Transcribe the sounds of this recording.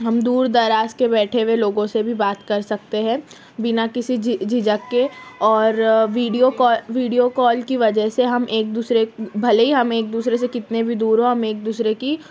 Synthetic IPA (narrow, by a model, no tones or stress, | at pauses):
ɦɐmd̪uːɾd̪aɾaːskebɛːʈʰeʋeloːɡõsebʱibaːt̪kɐɾsɐk̚t̪eɦɛ̃ː | bɪnakɪsid͡ʒd͡ʒʱɪd͡ʒəkːeɔːɾʋiːɖijokɔːʋiːɖijokɔːlkiʋɐd͡ʒəɦseɦɐmʔeːk̚d̪uːsɾebʱɐleɦiɦɐmeːk̚d̪uːsɾes̬ekɪt̪nebʱid̪uːɾɦõɦɐmeːk̚d̪uːsɾeki